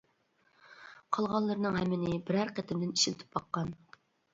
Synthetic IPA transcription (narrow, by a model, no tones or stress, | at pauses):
qʰɑlˠʁɑnlˠɨɾnɨŋɦɛmːɪnɪbɪɾæɾqət̪ʰɪmd̪ɪni̥ʃilt̪ʰɪ̥p̚bɑqːɑn